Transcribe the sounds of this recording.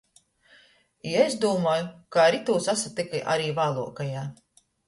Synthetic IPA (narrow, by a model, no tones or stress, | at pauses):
iezd̪uɔmaːjukaɾit̪uːsasat̪ikiʔa̰ɾiːvaːlˠṵɔkajaː